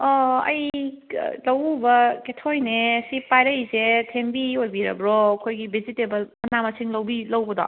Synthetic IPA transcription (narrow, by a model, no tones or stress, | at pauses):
ɔɐ̰j̰ | lɐwbɐketʰojnesipajɾɐjsetʰembiojbiɾɐ̰bɾokʰojɡibʱizitebɐlmɐnamɐsiŋlɐwbilɐwbɐd̪ɔ̰